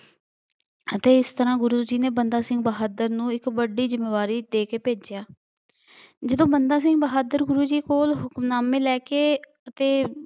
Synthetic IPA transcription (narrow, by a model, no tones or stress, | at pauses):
ət̪eːɪst̪əɾãːɡʊɾuːd͡ʒiːneːbənd̪aːsɪ̃ŋɡbəɦaːd̪əɾnũːɪkbəɖiːzɪmːeːʋaːɾiːd̪eːkeːpeːd͡ʒjaː | d͡ʒəd̪õːbənd̪aːsɪŋɡbəɦaːd̪əɾɡʊɾuːd͡ʒiːkoːlɦʊkmnaːmẽːlɛːkeː | ət̪eː